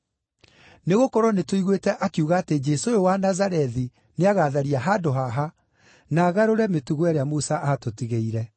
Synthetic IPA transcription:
neɣokɔɾɔnetoiɣwetɛʔakiuɣaːted͡ʒɛsojowanazaɾɛði | neaɣaːðaɾiaɦaːdoɦaɦa | naɣaɾoɾɛmetuɣwɛɾeamusaʔatotiɣeiɾɛ

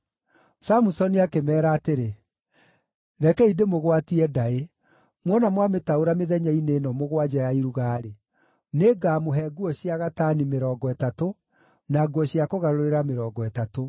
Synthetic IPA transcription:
samusɔniakemɛːɾaːteɾe | ɾɛkɛidemoɣwatiɛdae | mwɔnamwametaoɾameðɛɲaineːnɔmoɣwad͡ʒajaiɾuɣaːɾe | neɡaːmoɦɛɡuɔɕiaɣatanimeɾɔːɡɔɛtato | naɡuɔɕiakoɣaɾoɾeɾameɾɔɡɔɛtato

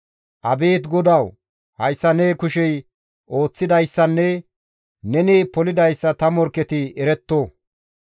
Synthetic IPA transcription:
ʔɐbe̞ːt̪ɡɔd̪ɐw | hɐjsːɐneːkʊʃɛj | ʔo̞ːt͡sːɪd̪ɐjsːɐnːɛ | nɛneːpɔlɪd̪ɐjsːɐt̪ɐmɔɾkːɛt̪ɪɛɾɛt̪ːoː

